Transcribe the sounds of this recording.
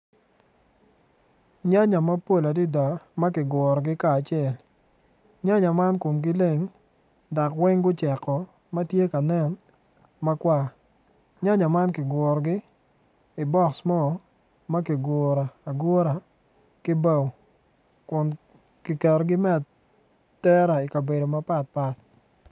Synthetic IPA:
ɲa˦ɲa˨ma˦po˦˨la˨dɪ˦da˨ma˦kɪ˨ɡwɔ˨ɾɔ˨ɡɪ˦kaː˨t͡ʃɪɛ˨l | ɲa˦ɲa˨ma˦nko˨mɡɪ˦le˦˨ŋ | da˨kwɛ˦ŋɡʊ˦t͡ʃɛ˨kːɔ˨ | mɐ˦tje˦ka˨nɛ˦˨n | ma˦kwa˦ | ɲa˦ɲa˨ma˦nkɪ˨ɡʷɔ˨ɾɡɪ˦ | ɪ˨bɔ˦ksmɔ˦˨ | ma˦kɪ˨ɡɔ˨ɾa˨a˨ɡo˦ɾa˨ | kɪ˦ba˦˨w | kʊ˨n | kɪ˨kɛ˨ɾɔɡɪ˦mɛ˦˨t | tɛ˦ɾa˨i˨ka˨be˨do˨ma˦pa˨t̚pa˦t

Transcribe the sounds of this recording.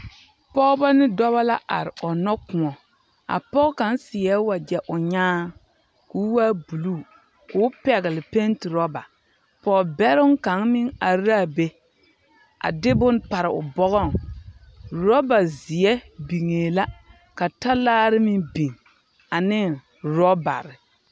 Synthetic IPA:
pɔ˦ba˦nɪ˦dɔ˦βa˦la˦ʔa̰˨ɾɪ˨ɔ˨nɔ˦kʊ˨ɔ˨ | a̰˨pɔ˦ka˨n˦sɪ˨ɛ˦wa˨d͡ʒɛ˨ʔʊ˨ɲaː˦ | ku˨˦waː˦bu˨lu˦˨ | kʊ˨˦pɛ˨ɣɪ˨lɪ˨pe˦ntɪ˨ɾɔ˦ba˨ | pɔː˨bɛ˦ɾʊ˦ŋka˨˦ŋmɪ˦ŋa˨ɾaː˦˨be˦ | a̰˨dɪ˦bʊ˦npa˨ɾɪ˨ʊ˨bɔ˦ɣɔ˦˨ŋ | ɾɔ˦ba˨zɪ˨ɛ˦bi˨ŋeː˨la˦ | ka˨ta˦laː˦ɾɪ˦mɪ˦bi˨ŋ | a˨nɪ˦˨ŋ | ɾɔ˦ba̰˨ɾɪ˨

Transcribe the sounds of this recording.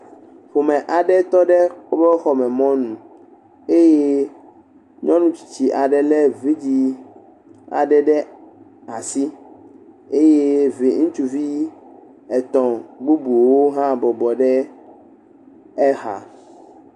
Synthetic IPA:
ɸo˨mɛ̃˨ʔa˨ɖɛ˦t̪ɔ˦ɖɛ˦o˦bɛ˦xɔ˨mɛ̃˨mɔ̃˦nũ˨ | e˦je˦ | ɲɔ̃˦nũ˦t͡ɕi̥˨t͡ɕi˨ʔa˨ɖɛ˨lɛ˦vi˦d͡ʑi˦ | a̰˨ɖɛ˨ɖɛ˦ | a˨si˦ | e˦je˦vi˨ŋũ˦t͡ʃu˦vi˦ | ɛ˨t̪ɔ̃˨ɡ͡bu˦bu˨wo˦ɦã˦bɔ˨bɔ˨ɖɛ˦ | ɛ˦ɦa̰˨

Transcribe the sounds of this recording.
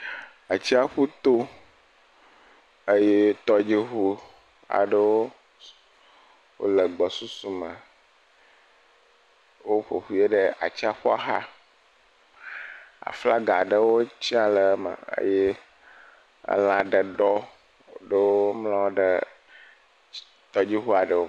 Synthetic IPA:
a˨t͡ɕi˦a˦ɸu˦t̪o˦ | ə˦je˦t̪ɔ˦d͡ʒi˦xu˦ | a̰˨ɖə˦wo˦ | wo̰˦lə˨ɡ͡bɔ˨su˦su˦mə˨ | wo˦ɸo˨ɸu˦e˦ɖə˦a̰˨t͡ɕi˦a˦ɸɔ˦a˦ɦa̰˦ | a̰˨fla˦ɡa˨ɖə˦wo˦t͡ɕi˦a˨lə˨˦mə̰˨ə̰˦je˦ | ə̰˦lã˨ɖə˨ɖɔ˦˨ | ɖə˦wo˦o˦mlã˦wo˦ɖə˨ | t̪ɔ˦d͡ʑi˦ɦu˦a˨ɖə˨o˦

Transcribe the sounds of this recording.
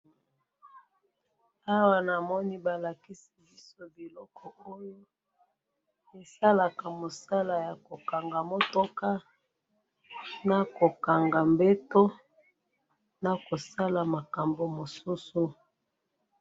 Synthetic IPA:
a˦wa˦˨na˨mɔ˦ni˦ba˨la˨ki˦si˨bi˦so˦bi˨lɔ˦kʰɔ˨o˦jo˦ | e˨sa˦la˨ka˨mo˨sa˦la˨ja˨ko˨ka˨ŋɡa˨mo˦to˦ka˦ | na˨ko˨ka˨ŋɡa˨mbe˦to˦ | na˨ko˨sa˦la˨ma˨ka˨mbo˨mo˨su˦su˦

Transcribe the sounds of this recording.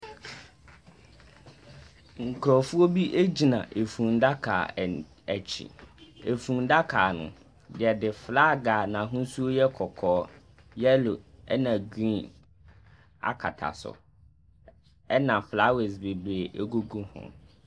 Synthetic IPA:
ŋ̩˨kʰɾɔ˨fʊ˦o˦bi˦ʔe˦d͡ʑi˨nã̰˨ʔe˨fũ˨n̩˦da˦kʰa̰ː˨ | æ˨t͡ɕʰḭ˨e˨fũ˨n̩˦da˦kʰaː˨nʊ̰̃˨ | dɪ˨ɛ˨dɪ˨fla˦ɡaː˨nã˨ɦʊ̃˦su˦o˦jɛ˦kʰɔ˨kʰɔː˨˦ | jɛ˦lo˨ɛ˦nã˨ɡɾĩ˦n | a̰˨kʰa̰˨tʰa̰˨sʊ̰˨ | ɛ˦nã˨fla˦we˨s̬be˨bɾeː˨ʔe˦ɡo˦ɡũ˦hʊ̰̃˨

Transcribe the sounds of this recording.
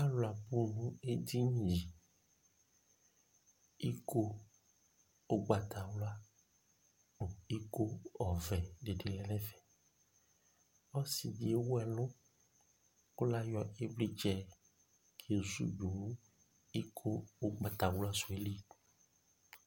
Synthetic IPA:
a˦lʊ˨a˨bu˦nũ˦e˦di˦ɲĩ˨ʒi˨ | i˦kʰo˦ | o˦ɡ͡ba˨t̪ʰa˨wlʊ˦a˦ | o˨i˦ko˦ɔ˨vɛ˨ɖe˨ɖe˨lɛ˨lɛ˦vɛ˨ | ɔ˦si˨di˨e˦wo˦ɛ˨lʊ̃˦ | o˦la˦jɔ˨e˦bli˦d͡ʒɛ˨ | kʰe˨zṵ˦bu˨˦ | i˦kʰo˦o˦ɡ͡ba˨t̪a˨wla˦su˨e˨li˦

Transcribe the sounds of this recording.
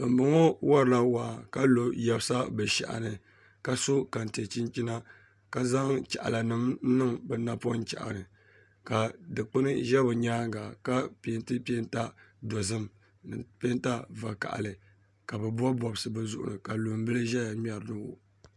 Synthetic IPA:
ɨ˨m̩˨bɨ˨ŋɔ˦wa˦ɾɨ˨la˦waː˨ka˦lo˨jɛ˦bsa˦bɨ˨ʃa̰˨ʔa̰˨nɨ˨ | ka˨so˦ka˨n˨te˨t͡ʃi˦nt͡ʃi˦na˦ | ka˨za˦ŋt͡ʃa̰˨ʔa̰˨la˨nɨ˦m̩˦nɨ˦ŋbɛ˨na˦pɔ˦t͡ʃa̰˨ʔa̰˨nɨ˨ | ka˨dɨ˨k͡pɨ˦nɨ˦ʒɛ˦bɨ˨ɲaː˦ŋ˦ɡa˨ka˦pe˨˦ntɨ˦pe˦n˦ta˦dɔ˨zɨ˦m˨ | pe˦n˦ta˦va˨ka̰˨ʔa̰˨lɨ˨ | ka˨bɛ˨bɔ˦bɔ˨bɨ˨sɨ˨bɛ˦zʊ˨ʔʊ̰˨nɨ˨ka˨lo˨m˦bɨ˦lɨ˦ʒɛ˦ja˨mʲ˦ɛ˨ɾɨ˨nɨ˦o̰˨

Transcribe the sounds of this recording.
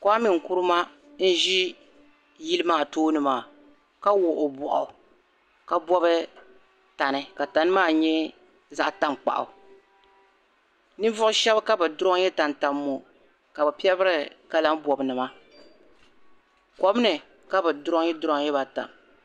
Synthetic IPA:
kɔ˦a˦mi˨ŋ˨ku˦ɾɨ˦ma˦ | n̩˦ʒi˦ | ji˦lɨ˦maː˦˨toː˦nɨ˨maː˨ | ka˦wo˨ʔo˨bɔ˨ʔɔ˨ | ka˦bɔ˦bɨ˦ | ta˨nɨ˨ka˨ta˨nɨ˦maː˦˨ɲɛ˦ | za˦ʔta˦ŋk͡pa̰˨ʔa̰˨ | nɨ˦vʊ˦ʊ˦ʃɛ˦bka˦bɨ˨dʊ˦ɾɔ˦jɛ˦ta˨n˨ta˨mːo˨ | ka˨bɨ˨pɛ˦bɨ˦ɾɨ˨ka˨la˦m˦bɔ˨bnɨ˨ma˦ | kɔ˨bnɨ˨ | ka˦bɨ˨dʊ˦ɾɔ˦ŋ˦jɛ˦dʊ˦ɾɔ˦ŋ˦jɛ˦ba˨ta̰˨

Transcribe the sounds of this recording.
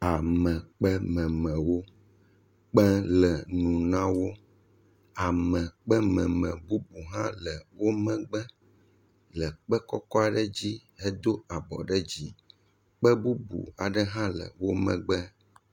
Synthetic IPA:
a˨mɛ̃˨k͡pɛ˦mɛ̃˨mɛ̃˨wo˦ | k͡pɛ̃˦lɛ˨nũ˨nã˦wo˦ | a˨mɛ̃˨k͡pɛ˦mɛ̃˨mɛ̃˨bu˦bu˨ɦã˦lɛ˨wo˦mɛ̃˦ɡ͡bɛ˦ | lɛ˨k͡pɛ˦kɔ˦kɔ˦a˨ɖɛ˦d͡ʑi˦ɛ˦d̪o˦a˨bɔ̰˨ɖɛ˦d͡ʑi˦ | k͡pɛ˦bu˦bṵ˨a˨ɖɛ˦ɦã˦lə̰˨wo˦mɛ̰̃˨ɡ͡bɛ˦

